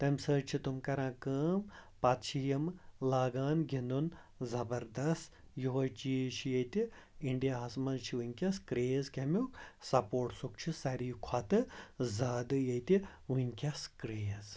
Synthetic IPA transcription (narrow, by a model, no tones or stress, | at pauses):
t̪ɐmsəːt͡ʃʰit̪umkɐɾãːkəːmpɐt̪t͡ʃʰijɐmlaːɡaːnɡʱʲind̪un | zɐbɐɾd̪ɐst̪ | joɦot͡ʃiːʃijɐt̪i | iɳɖijaɐsmɐzt͡ʃʰiʋunʲkʲɐskɾeːzkʲɐmʲjoksɐpoːʈsuk̚t͡ʃʰisɐɾiːkʰwat̪ɨzaːd̪ɨjɐjt̪iunʲkʲɐskɾeːz